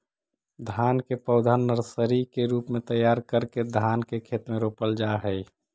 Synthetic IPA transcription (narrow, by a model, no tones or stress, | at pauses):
d̪ʱaːnkepəʊd̪ʱanːəɾsəɾikeɾuːpmẽt̪əjaːɾkəɾked̪ʱaːnkekʰeːt̪mẽɾoːpəld͡ʒaɦəi